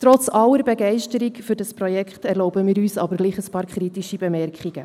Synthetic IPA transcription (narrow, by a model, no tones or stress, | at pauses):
tɾɔt͡sɑləɾbɛɡɛɪʃtəɾikfʏɾdɑspɾɔjɛkχtɛɾlɔʊbəmiːɾyːsɑ̰bəɾɡliːχəspɑːɾkʰχɾitiʃibɛmɛɾkχiɡ̥ə